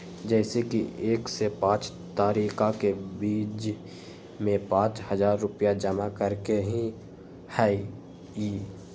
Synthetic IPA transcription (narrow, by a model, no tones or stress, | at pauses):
d͡ʒɛːsekieːksepãːt͡ʃ | t̪aːɾiːkakebiːd͡ʒ | mẽpãːt͡ʃhəzaːɾːʊpjad͡ʒəmakəɾkeɦĩ | ha | iː